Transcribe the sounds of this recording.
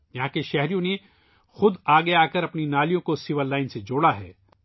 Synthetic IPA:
jɐɦãkeʃɛɦɾijõne | xʊd̪aːɡeaːkəɾɐpninaːlijõkosiʋəɾlaːɪnsed͡ʒoːɽaɦɛ̰ː

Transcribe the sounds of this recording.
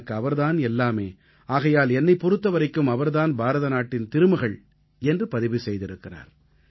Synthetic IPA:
kːɯɐʋɐɾðaːnɛlːaːmeː | aːɣɐjaːlɛnːɐɪpɔɾɯt̪ːɐʋɐɾɐɪkːɯmɐʋɐɾðaːnbʱaːɾɐðɐnaːʈːɪnt̪ɪɾɯmɯɣɐɭ | ɛndrɯpɐðɪʋisɛjðɪɾɯkːɪra̰ːɾ

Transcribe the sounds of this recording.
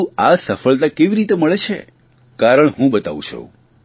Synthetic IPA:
asəfəɭt̪akeʋiɾit̪eməɭet͡ʃʰḛ | kaɾəɳɦũbət̪a̰ʋũt͡ʃʰo̰

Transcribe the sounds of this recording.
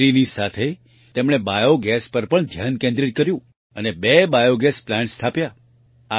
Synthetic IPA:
ɾinisat̪ʰe | t̪emɳ̃ebajoɡɛspəɾpəɳd̪ʱjankẽnd̪ɾiʈ̪̚kəɾjũ | ənebebajoɡɛsplãnst̪ʰapja | a

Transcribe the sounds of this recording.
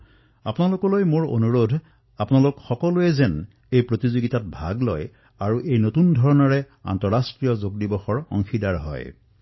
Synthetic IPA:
apʊnalokɔlojmoɹo̰nuɹodʱ | apʊnalʊkxɔkɔloɛzɛn | ejpɹotizoɡitat̚bʱa̰ɡlɔ̰j | aɹuʔejnotundʱɔɹɔnɔɹɛ | a̰ntɔɹastɹijɔzoɡ̚dibɔxɔɹɔ̰ŋxidaɹɦɔ̰j

